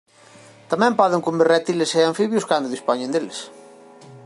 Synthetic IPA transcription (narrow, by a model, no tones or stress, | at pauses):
t̪amɛ̃mpɔðeŋkumberɛt̪ileseaɱfiβjʊskand̪ʊðispɔɲẽnd̪eles